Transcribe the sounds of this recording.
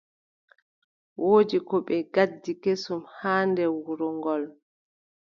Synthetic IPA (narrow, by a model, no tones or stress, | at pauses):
wʔoːd͡ʒikɔɓɛɡadːikesumhaːndɛwuɾɔŋɡɔl